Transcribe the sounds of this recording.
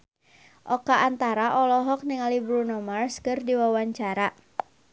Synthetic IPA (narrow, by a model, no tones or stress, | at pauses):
ʔɔkaʔːnt̪aɾaʔɔlɔɦɔk̚niŋalibɾunɔmarskɨrdiwawaɲt͡ʃaɾa